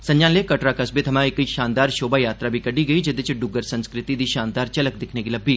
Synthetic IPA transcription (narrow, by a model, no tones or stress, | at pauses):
sə̃ɲd͡ʒãːnleːkəʈɾaːkəsbeːt̪ʰəmãːɪkʃaːnd̪aːɾʃoːbaːjaːt̪ɾaːbʱiːkəɖiːɡəiːd͡ʒɪd̪ɪt͡ʃɖʊɡəɾsə̃nskɾɪt̪iːd̪iːʃaːnd̪aːɾt͡ʃələkd̪ɪkʰneːɡiləbːiː